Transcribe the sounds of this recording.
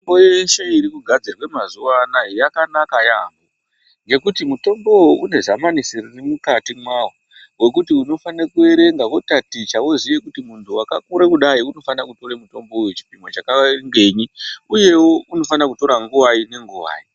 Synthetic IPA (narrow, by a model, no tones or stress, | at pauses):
bojeʃe̞iɾikuɡʱad͡zirwe̞mazuwanajijakanakajambo | ŋɡe̞kutimuto̞mbo̞oʔune̞ʐamanisiririmukatimwawo | we̞k̬utiuno̞fanekue̞ɾe̞ŋɡakotatit͡ʃawozijekutimuntʰuwakakuɾekuɗaiuno̞fanakuto̞ɾemuto̞mboujut͡ʃi̥pimo̞t͡ʃakaŋɡe̞ɲiuje̞wouno̞fanakuto̞ɾaŋɡuwaine̞ŋɡuwa̰ːi